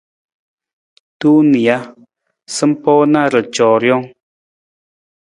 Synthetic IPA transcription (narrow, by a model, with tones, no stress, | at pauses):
tuː˦ni˨a˦ | sə˦m̩˦pɔː˦na˦˨ɾə˨t͡ʃɔ˨ɾjɔ˦ŋ